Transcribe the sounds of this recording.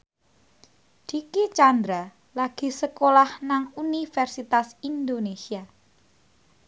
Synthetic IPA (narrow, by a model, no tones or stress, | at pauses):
d̪̥ikit͡ʃand̪ɾa | laɡ̥i̤səkolahnaŋunifɛrsit̪asind̪onesia